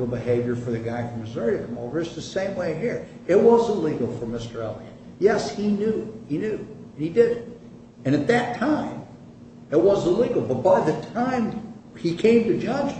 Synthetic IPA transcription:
bɨheɪvjə˞fə˞ðɨɡaɪfɹʌ̃mɨzɜ˞iɾɨkʰʌ̃moʊvə˞ʌsðɨsẽɪ̃mweɪɦiɹ | ɨt̚wʌzəliɡl̩ˠfə˞mɪstə˞ɛlˠḭɨ̃ | jɛshinjʉinjʉɨ̃nidɪd | ɨ̃ñɨt̪̚ðɨtʰãɪ̃m | ɨt̚wʌzəliɡl̩ˠbʌt̚b̥aɪðɨtʰãɪ̃mikʰẽɪ̃mtɨd͡ʒʌd͡ʒ

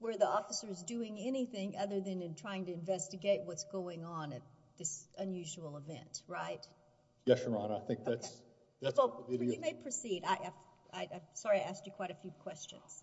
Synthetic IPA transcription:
wə˞ðiɔfəsə˞zdʉɪ̃ŋɛñiθɪ̃ŋʔʌðə˞ðɨ̃nɨ̃ntʰɹ̥aɪɪ̃ŋtɨɨ̃ɱvɛstɨɡeɪt̚wʌtsɡ̥oʊɪ̃ŋə̃nɨt̪̚ðɪsə̃njʉʒuwl̩ˠəvɛ̰̃nt̚ɹaɪt̚ | jɛʃəmɑ̃naɪθɪ̃ŋk̚ððæts | ðætsɨmeɪpʰɹ̥ɨsiɾaɪʔaɪv | aɪãɪ̃msɑɹiaɪæst͡ʃɨkʰw̥aɪɾɨfjʉkʰw̥ɛst͡ʃɨ̰̃nz̥

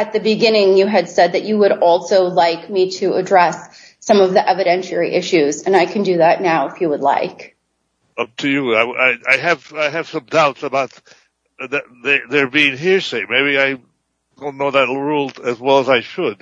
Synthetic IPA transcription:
ɨt̪̚ðɨbɨɡɪ̃ñɪ̃ŋjɨɨd̥sɛd̪̚ðɨt͡ʃɨwəɾɔlˠsoʊlaɪkmiɾɨədɹɛsː | ʌ̃mʌvðiʔɛvɨɾɛ̃nʃɛ˞ḭʔɪʃʉzɨ̃naɪkʰɨ̃n̩dɨðətⁿnaʊɨfjɨwədˡla̰ɪk | ʌp̚tʰɨjɨaɪaɪa̰ɪɨv̥aɪɨv̥sʌ̃mdaʊtsəbaʊt̪̚ | ðɨt̚ðəðə˞biɪ̃ŋɦiɹseɪmeɪbiaɪ | d̥õʊ̃nːoʊðɨt̚ɹulˠɨzwɛlˠəzaɪʃɨd̥̚

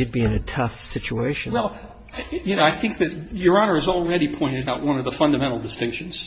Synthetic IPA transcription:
ɨd̚biɨ̃nɨtʰʌfsɪt͡ʃueɪʃɨ̃nwɛlˠ | jɨnoʊaɪθɪ̃ŋk̚ðɨt̚jə˞ɑnə˞ɨzl̩ˠɹɛɾipʰɔ̃ɪ̃ɾ̃ɨɾaʊʔ̚wʌ̃nʌvðəfʌ̃ndɨmɛ̃ɾ̃l̩ˠdɨstɪ̃ŋkʃɨ̃n̩z̥

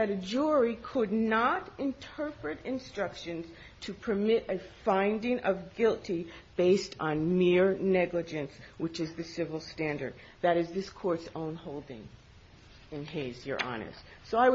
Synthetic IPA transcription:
ðɨɾɨd͡ʒʊɹikʰədⁿnəɾɨ̃ntʰɜ˞pɹɨɾɨ̃nstɹ̥ʌkʃɨ̃nz̥ | tʰɨpʰə˞mɪɾɨfãɪ̃ndɪ̃ŋʔʌvɡɪlˠtʰib̥eɪstn̩mɪɹnɛɡlɨd͡ʒɨ̃nswɨt͡ʃɨzðɨsɪvl̩ˠstæ̃ndə̰˞d̪̚ | ðɨɾɨzðɪskʰɔɹtsõʊ̃nhoʊlˠdɪ̰̃ŋ | ɨ̃nɦɪzjə̰˞ʔɑ̰nɨ̰stsoʊaɪw

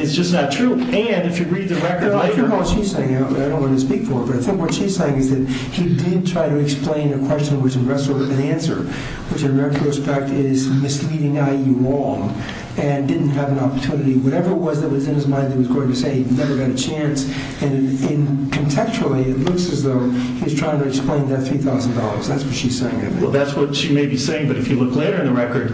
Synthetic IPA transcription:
ɨtsd̥ʒ̥ʌsnɨtʰɹ̥uɨ̃nɨfjɨɹid̪̚ðɨɹɛkə˞dəkʰɔlˠʃiz̥seɪɪ̃ŋaaɪɾõʊ̃nʔwɑ̃ntʰɨspikfə˞ət̚b̥ʌɾaɪθɪ̃ŋkwʌtʃiz̥seɪɪ̃ŋɨzðɨt̚ | hidɪd̚tʰɹ̥aɪɾɨɨksplẽɪ̃nɨkʰw̥ɛst͡ʃɨ̃nwɨt͡ʃɨ̃nɹɛtəɨ̃næ̃nsə̰˞ | wɨt͡ʃɨ̃nɹɛtʰɹ̥oʊspɛk̚tɪzmɨsliɾɪ̃ŋaɪjɨɹɔ̃ŋ | ɨ̃ndɪdⁿn̩t̚ɦɨvɨ̃nɑpə̥˞tʰʉnɨɾiwʌɾɛvə˞ɨt̚wʌzðɨt̚wʌzɨ̃nɨzmãɪ̃ndɨiwʌzɡoʊɪ̃ŋtɨseɪinɛvə˞ɡɑɾɨt͡ʃʰæ̃ns | ɨ̃nɪ̃nkʰɨ̃ntʰɛkst͡ʃl̩ˠiɪtˡlʊksɨzðoʊhiɨz̥tʰɹ̥aɪɪ̃ŋtɨɨksplẽɪ̃nðɨt̪̚θɹiθaʊz̃n̩dɑlˠə̰˞z̥ðætswʌtʃiz̥seɪɪ̃ŋɨ̰̃wɛlˠðætswʌtʃimeɪbiseɪɪ̃ŋbʌɾɨfjɨlʊkleɪɾə˞ɨ̃nðɨɹɛkə˞d̥̚

